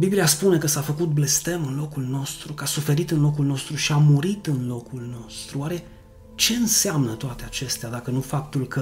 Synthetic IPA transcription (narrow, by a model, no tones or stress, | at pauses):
bibliaspune̞kəsafəkut̪̚ble̞st̪e̞mɨnlo̞kulno̞st̪ɾukasufe̞ɾit̪ɨnlo̞k̬ulno̞st̪ɾuʃiamuɾit̪ɨnlo̞kulno̞st̪ɾuoaɾe̞ | t͡ʃe̞ɨnseamnət̪oat̪e̞at͡ʃe̞st̪ead̪akənufap̚t̪ulkə